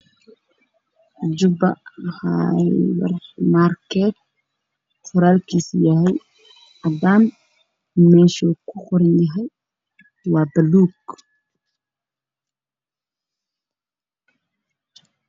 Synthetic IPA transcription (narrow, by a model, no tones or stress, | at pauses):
d͡ʒʊbɐ̰ha̰wɐ̰rmaːrkɛːt̪̚ | qʊɾaːlkiːsjɐɦɛj | ɐdaːn | mɛːʃɔkʰʊxʊɾɪjɐɦɛj | waːbɐluːɡ